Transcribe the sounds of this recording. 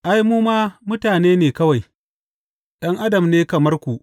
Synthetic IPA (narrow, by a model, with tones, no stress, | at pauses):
ʔa˦jmuː˦maː˦mʊ˦taː˨neː˦neː˨kɐ˦wa˨j | ɗɐ˦ŋʔa˦dɐ˨mneː˦kɐ˨mɐ˦rkʷu˨ʔ